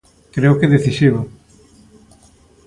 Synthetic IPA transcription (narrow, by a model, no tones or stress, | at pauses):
kɾeokeðeθisiβo